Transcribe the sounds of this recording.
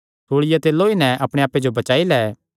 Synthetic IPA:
t̪ʰoːɽɪjɛt̪eːloːinɛ̃ʔɐpɽ̃eaːpːed͡ʒobɐt͡ʃaːilɛː

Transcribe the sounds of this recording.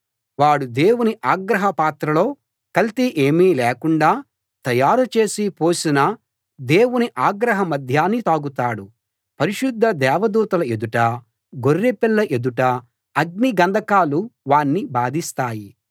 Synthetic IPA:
ʋaːɽud̪e̞ːwuniʔaːɡɾɐɦɐpaːt̪ɾɐlo̞ː | kɐlt̪iʔeːmiːlɛːkuɳɖaː | t̪ɐjaːɾut͡ʃe̞ːsipo̞ːsinɐ | d̪e̞ːwuniʔaːɡɾɐɦɐmɐd̪ʱjaːnːit̪aːɡut̪aːɽu | pɐɾiʃud̪ʱːɐd̪ɛːʋɐd̪uːt̪ɐlɐe̞d̪uʈɐ | ɡorːepilːɐʔe̞d̪uʈɐ | ɐɡ̚niɡɐnd̪ʱɐkaːluʋaːnːibaːd̪ist̪aːji

